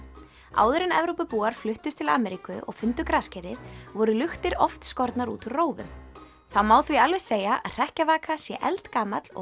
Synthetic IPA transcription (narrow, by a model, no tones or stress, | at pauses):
a̰ːwðʏɾɪnɛvɾowpʏpuːaɾ̥flʏht̪ʏst̪ʰɪla̰ːmɛɾikʏʔɔ̰ɣfʏnt̪ʏkɾascɛɾɪvɔɾʏlʏxt̪ɪɾɔft̪skɔɾt̪naɾṵːt̪ʏɾroːwvʏ̰ | θamaːwθvialvejseːjaʔaðr̥ɛhcavaːkasjɛʔɛlt̪kaːmat̪lɔ̰